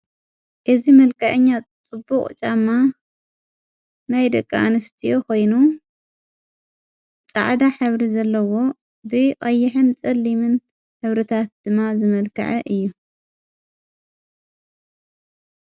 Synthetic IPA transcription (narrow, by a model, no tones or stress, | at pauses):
ʔɨzimɐlkʰɐʕɨɲːat͡sʼɨbːukʼt͡ʃʼamːa | najd̪ɐkʼːanɨst̪ʰiʔokʰo̞jnu | t͡sʼa̰ʕd̪aħɨβɾizɐlːɐwo̞ | bɨkʼɐjːɪħɨnt͡sʼɐlːimɨn | ħɨβɾɨt̪ʰat̪̚d̪̥ɨmːazɨmɐlkʰɐ̰ʕɐʔɨjːu